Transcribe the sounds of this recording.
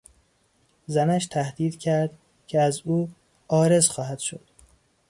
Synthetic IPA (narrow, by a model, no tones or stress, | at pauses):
zænæʃt̪ʰæhd̪iːd̪cʰæɾd̪ | cʰeæzuː | ɒːɾe̞zxɒːɦæd̪̥ʃo̰d̪̥